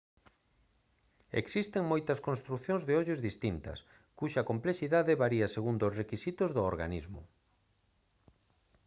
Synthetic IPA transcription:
ḛksist̪eŋmojt̪ɐskonst̪ɾukθjõnzðeɔʎezðist̪int̪ɐ̰s | kuʃɐkomplesiðaðeβaɾiɐseɣund̪osrekisit̪ozðooɾɣa̰nizmʊ̰

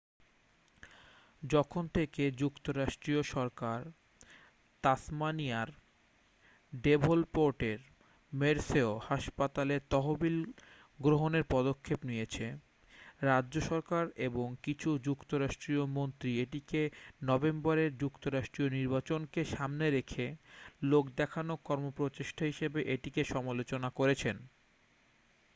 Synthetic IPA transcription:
d͡ʑɔkʰont̪ʰeked͡ʑukt̪oɾaʃʈɾioʃɔɾkaɾ | t̪asmanijaɾ | ɖebʱolpoɾʈeɾ | meɾseohaʃpat̪aleɾt̪ɔɦobil | ɡɾoɦoneɾpɔd̪okʰːepnijet͡ɕʰe | ɾadːd͡ʑoʃɔɾkaɾeboŋkit͡ɕʰud͡ʑukt̪oɾaʃʈɾiomont̪ɾieʈikenɔbembaɾeɾd͡ʑukt̪oɾaʃʈɾioniɾbat͡ɕonkeʃamneɾekʰelokd̪ɛkʰanokɔɾmopɾot͡ɕeʃʈʰaɦiʃebeʔeʈikeʃɔmalot͡ɕonakoɾet͡ɕʰen

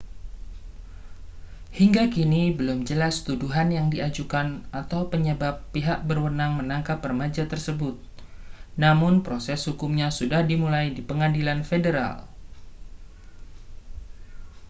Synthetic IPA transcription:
hiŋɡakinibəlʊmd͡ʒəlast̪uduɦanjaŋdiad͡ʒukanat̪awpəɲəbapːiɦaʔ̚bərwənaŋmənaŋkapːərəmad͡ʒat̪ərsəbʊt̪̚namʊnpɾosɛshukumɲasudahdimulajdipəŋadilanfedəɾa̰l

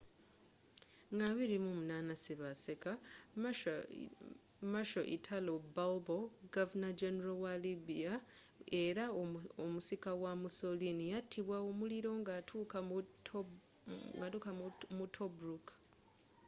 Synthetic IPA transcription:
ŋɡaβiɾimumunaːnasiβaseka | maʃo̞ʔḭtʰalobalbo̞ɡavunad͡ʒeneɾawalibiae̞ɾaomusikawamuso̞linijatʰːiβwaomuliɾo̞ŋɡatʰuːka | ɡatukamutʰobɾuk

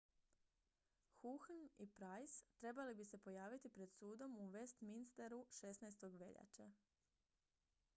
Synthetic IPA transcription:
xuxnipɾajst̪ɾe̞balibise̞po̞jaːʋit̪ipɾe̞d̪suːd̪o̞muʋest̪minst̪eɾuʃe̞snajst̪o̞ɡʋe̞̰ʎa̰t͡ʃa

